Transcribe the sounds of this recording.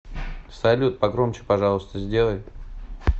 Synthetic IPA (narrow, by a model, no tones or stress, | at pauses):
sɐlʲut̪̚pɐɡɾo̞mt͡ɕɪ̥pɐʐɑlˠəst̪əzʲdʲe̞lˠəj